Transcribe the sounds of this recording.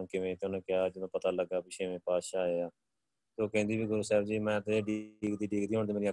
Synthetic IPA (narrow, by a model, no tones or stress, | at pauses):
kɪʋẽːt̪oːnẽːkɪaːd͡ʒɪd̪õːpət̪aːləɡːaːpɪʃeːʋẽːpaːʃaːeːaː | soːkɛ̃ːnd̪iːbiːɡʊɾuːsɛːbd͡ʒiːmɛ̃ːt̪eɖiiːkd̪iːɖiːɡd̪iːɦoːɳd̪eːmeːɾiːə